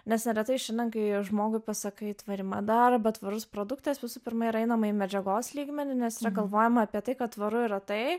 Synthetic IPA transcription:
nʲɛsnʲɛɾʲɛt̪ɐɪʃʲɛnʲdʲɛnkɐɪʒmoːɡʊɪpɐsɐkɐɪt̪ʋɐɾʲɪmɐd̪ɐɾbɐt̪ʋɐɾʊspɾoːd̪ʊkt̪ɐsʋʲɪsuːpʲɪɾmɐiːɾɐɛɪnɐmɐimʲɛd͡ʒʲɛɡoːslʲiːɡmʲɛnʲʊnʲɛsɪɾɐɡɐlˠʋoːjɛmɐɐpʲiɛt̪ɐɪkɐtt̪ʋɐɾʊiːɾɐt̪ɐɪ

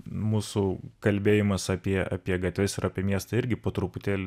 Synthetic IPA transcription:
muːsʊkɐlʲbʲeːjɪmɐsɑːpʲiɛʔɑ̰ːpʲiɛɡɐt̪ʲʋʲɪsɪɾɑːpʲiɛmʲiɛst̪ɐɪɾʲɡʲɪpoːt̪ɾʊpʊt̪ʲeːlʲ

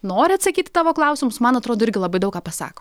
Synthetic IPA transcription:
noːɾʲɪɐt̪sɐkʲiːt̪ʲɪ̥t̪ɑːʋoːklˠɐʊsʲɪmʊsmɐnɐt̪ɾoːd̪oːɪɾʲɡʲɪlˠɐbɐɪd̪ɐʊkaːpɐsɑ̰ːko

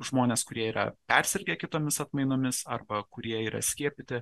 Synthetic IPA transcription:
ʒmoːnʲeːskʊɾʲiɛiːɾɐ̰pʲɛɾʲsʲɛɾʲɡʲekʲɪt̪oːmʲɪsɐt̪mɐɪnoːmʲɪsɐrbɐkʊɾʲiɛiːɾɐ̰sʲkʲiɛpʲɪt̪ʲɪ

